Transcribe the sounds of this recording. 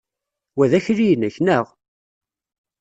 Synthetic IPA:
wæðæçɾijnəçnəʁ

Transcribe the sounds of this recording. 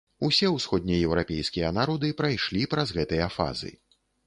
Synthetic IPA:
usʲɛwsxɔd̪ʲnʲijɛwɾapʲɛjskʲijɐnaɾɔd̪ɨpɾajʂlʲipɾɐzɣɛt̪ɨjɐfa̰zɨ̰

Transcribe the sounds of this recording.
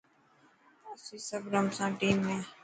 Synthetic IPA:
əsiːsəbɾəmsãːʈiːmːẽː

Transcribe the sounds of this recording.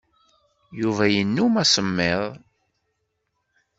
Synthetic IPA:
juvæjənːumæsəmːɪðˤ

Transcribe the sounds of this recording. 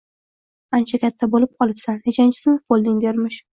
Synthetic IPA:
ant͡ʃʰakʲʰat̪ʰːabolɪp̚ɒlˠɪpsanhet͡ʃʰant͡ʃʰɪ̥sɪnqʰolˠd̪ɪŋd̪eɾmɪʃ

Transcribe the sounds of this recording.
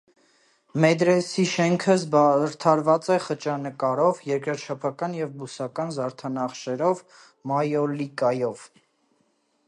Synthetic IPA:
mɛd̪ɾɛsiʃɛŋkʰəzbɾt̪ʰɑɾvɑt͡sɛχət͡ʃɑnəkɑɾɔvjɛɾkɾəɾt͡ʃʰɑpʰɑkɑnjɛvbusɑkɑnzɑɾt̪ʰɑnɑχʃɛɾɔv | mɑjɔlikɑjɔv̥

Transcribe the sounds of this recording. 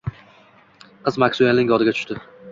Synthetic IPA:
qʰɨzmakʲsuenɪŋɡɒd̪ɪɡʲat̪ʰʊ̥ʃt̪ɪ

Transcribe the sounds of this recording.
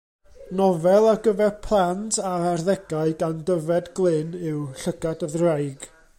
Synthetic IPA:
nɔvɛlˠaɡəvɛrpʰlˠantʰaarðɛɡaɨɡandəvɛdɡlˠɨnɪwɬəɡ̥adəðrajɡ̥

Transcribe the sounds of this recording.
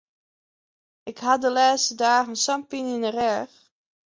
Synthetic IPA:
ɪkhadəlaːstədaːχənsampinɪnərɛɹx

